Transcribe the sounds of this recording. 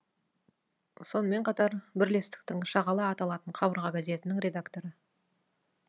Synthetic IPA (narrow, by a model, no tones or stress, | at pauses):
so̞nəme̞ɴqʰɑt̪ɑɾbɪɾle̞st̪ɪ̥k̚t̪ɪŋʃɑʁɑlˠɑɑt̪ɑlˠɑt̪əɴqʰɑbəɾʁɑɡaze̞t̪ɪnɪŋɾʲe̞d̪akt̪o̞ɾə